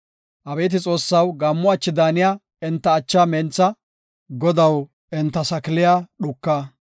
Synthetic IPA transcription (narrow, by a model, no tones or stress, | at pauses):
ʔɐbɛːt̪̬ɪt͡sʼo̞ːsːɐwɡɐmːʊɐt͡ʃːɪd̪aːnɪjaː | ɪnt̪ːɐːt͡ʃːaːmɛnt͡sːɐ | ɡɔd̪ɐw | ɪnt̪ːɐsɐkɪlɪjaːɗʊkːaː